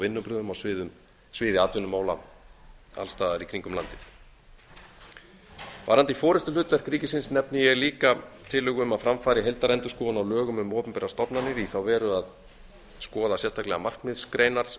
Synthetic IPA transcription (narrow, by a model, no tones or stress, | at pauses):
vɪnːʏpɾʏːðʏmawsvɪːðʏm | svɪːðɪaːt̪vʏnʏmːaːwla̰ | a̰lst̪aːðaɾikʰɾiŋkʏmla̰nt̪ɪθ | vaːɾant̪ifɔːɾɪst̪ʏlʏt̪vɛr̥kːɾiːcɪsɪnsnɛpnɪjɛɣliːkat̪ʰɪlːʏːɣʏʏmaðfɾamfaːɾɪɦejlt̪aɾɛnt̪ʏskɔːɣʏnawlœːɣʏmʏmɔːpʏmpɛɾast̪ɔpnanɪɾiθawvɛːɾʏað | skɔːðasjɛst̪ʰaklɛɣamar̥kmɪðskɾejnaɾ̥